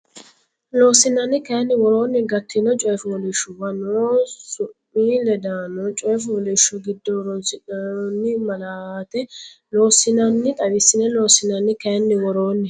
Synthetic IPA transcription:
lo̞ːsɪnɐnːɪkɐjnːɪwɔɾo̞ːnːɪɡɐt̪ʰːɪnɔt͡ʃʼɔjfʊwɔlɪʃːʊwɐnosʊmːilɛd̪aːnɔt͡ʃʼɔjfʊwɔlɪʃːʊɡɪd̪ːɔɾɔnsɪnɔnːɪmɐlaːt̪ɛ | lo̞ːsɪnɐnːɪt̪ʼɐwɪsːɪnɛloːsɪnɐnːɪkɐnːɪwɔɾoːnːɪ

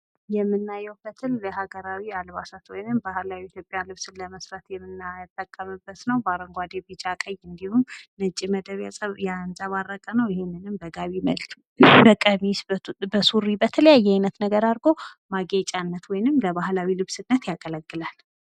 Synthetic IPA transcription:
jɛmːɨnːajːɛwfət̪ʰɨlləhaɡəɾawialβasat̪wɔjnɨmbahlawiit̪ʰjopʼjalɨβsɨnləməsɾat̪jɛmːɨnat̪ʼːəkʼːəmɨbːət̪nəwbaɾəŋɡʷad̪ebit͡ʃʼakʼəjɨnd̪ihumnət͡ʃʼiməd̪əβjasʼəjanzʼaβarːəkʼənəwɪhemːɨnɨmbəɡaβimə̰lt̪ | bəkʼəmisbəsuɾibət̪ʰələjajːɛajnət̪nəɡəɾaɾɡo̞ | maɡet͡ʃʼanːət̪wɔjnɨmləβahlawilɨβsɨnːət̪jakʼələkːɨlal

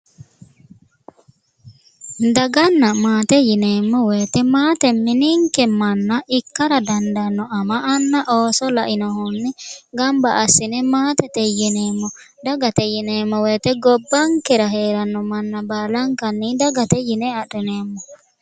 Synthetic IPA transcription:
d̪ɐɡɐnːɐmaːt̪ɛjɪneːmːɔweːt̪ɛmaːt̪ɛmːɪniːŋkɛmɐnːɐʔɪkːɐɾɐd̪ɐnd̪ɐnːɔɐmaʔːnːɐʔoːsɔlɐʔɪnɔhɔnːɛɡɐmbaʔːsːɪnɛmaːt̪ɛt̪ɛjɪneːmːɔ | d̪ɐɡɐt̪ɛjɪneːmːɔweːt̪ɛɡɔbːɐŋkɛɾɐɦeːɾɐnːɔmɐnːɐbaːlɐŋkɐnːid̪ɐɡɐt̪ɛjɪnɛɐᶑɛneːmːɔ

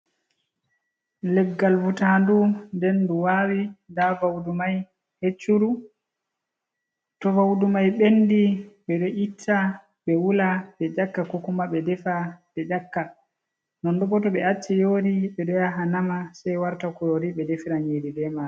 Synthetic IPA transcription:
lɛɡːalvutandundɛnduwawidavawdumaj | het͡ʃːuɾu | tɔvawdumajɓenːdiɓɛɗɔʔitʰːa | ɓɛwulaɓɛd͡ʒakːakɔkumaɓɛdɛfad̥ɛd͡ʒakːa | nɔndɔbɔtɔɓɛat͡ʃːɛjoɾiɓɛɗɔjaɦanamasajwaɾtakuɾoɾiɓɛdefiɾaɲididɛma

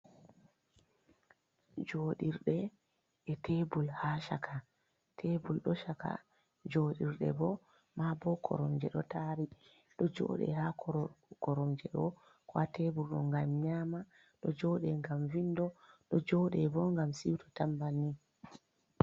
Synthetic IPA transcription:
d͡ʒoːɗiɾɗɛ | ɛtebulhaʃakʰa | tʰebulɗɔʃaka̰ | d͡ʒoɗiɾɗɛ̰bɔ | mabɔkʰɔ̰ɾɔmd͡ʒɛɗɔtaɾi | ɗɔd͡ʒɔ̰ːɗɛ̰hakɔɾɔmd͡ʒɛɗɔ | kɔatebulɗɔ̰ŋɡamɲaːma | ɗɔd͡ʒɔːɗɛŋɡamvindɔɗɔd͡ʒɔɗɛbɔŋɡamsiwtʰɔtambani

